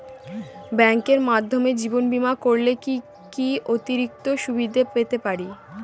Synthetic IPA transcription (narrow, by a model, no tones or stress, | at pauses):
bɛŋkeɾmad̪ʱːomed͡ʑibonbimakoɾleki | kiot̪iɾik̚t̪oʃubid̪ʱepet̪epaɾi